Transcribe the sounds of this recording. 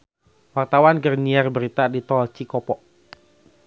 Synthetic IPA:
wart̪awanɡərniarbəɾit̪adit̪ɔlt͡ʃikɔpɔʔ

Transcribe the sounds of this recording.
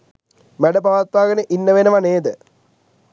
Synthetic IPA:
meɽɐpɐʋaːt̪̚paːɡɐneʔinːɐʋenɐʋɐneːd̪ɨ

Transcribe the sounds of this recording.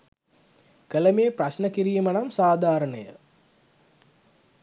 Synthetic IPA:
kələmeːprasnəkiɾiːmənamsaːd̪ʱaːɾənəjə̰

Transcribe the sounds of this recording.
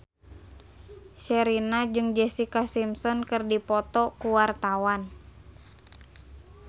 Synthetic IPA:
ʃɛɾinad͡ʒɨŋd͡ʒɛsikasimsɔnkɨrdipɔt̪ɔkuwart̪awan

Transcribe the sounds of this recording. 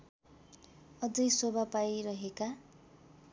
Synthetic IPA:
ʌd͡zʌjsobapajɾʌɦeka

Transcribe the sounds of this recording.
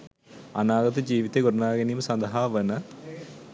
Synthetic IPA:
ɐnaːɡɐt̪ɐd͡ʑiːʋit̪ːeɡoɾunaːɡɐnijumsɐnd̪ɐɦaːʋɐnɐ

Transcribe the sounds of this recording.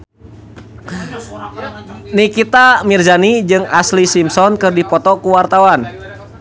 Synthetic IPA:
nikit̪amirzanid͡ʒɨŋaslisimsɔnkɨrdipɔt̪ɔkuwart̪awan

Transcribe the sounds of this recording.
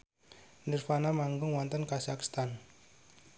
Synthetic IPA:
nɪrfanamaŋɡʊŋwɔnt̪ənkasakst̪an

